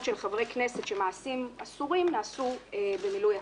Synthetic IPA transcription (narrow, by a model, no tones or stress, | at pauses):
ʃelχavʁejkneset̪ʃemaːsima̰suʁimnaːsuebemiluja